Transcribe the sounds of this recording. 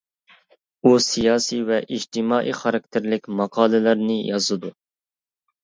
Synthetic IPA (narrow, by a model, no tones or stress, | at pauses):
usijɑːsivɛʔid͡ʒt̪ʰɪmɑːʔḭχɑɾɑk̚ʲt̪ʰɪɾlɪkʲmɑqʰɑːlˠɨlæɾnɪjɑzɨd̪u